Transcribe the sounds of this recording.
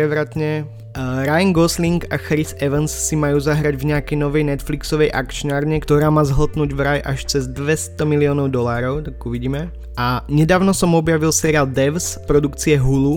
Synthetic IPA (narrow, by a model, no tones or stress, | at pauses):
ɾɛʋɾat̪ɲɛ | ɾajŋɡɔsliŋɡaxɾizɛʋɛnsːimajuːzaɦɾaɟvɲɛakɛjnɔʋɛjnɛt̪fliksɔʋɛjʔa̰kt͡ʃnaːɾɲɛkt̪ɔɾaːmaːzɦɔt̪nuːɟvɾajʔaʃt͡sɛzd̪ʋɛst̪ɔmilɪɔːnɔʊd̪ɔlaːɾɔʊt̪akuʋiɟiːmɛ | ʔaɲɛd̪aːʊnɔsɔmɔbjaʋilsɛɾiaːld̪ɛfspɾɔd̪ukt͡siɛɦulu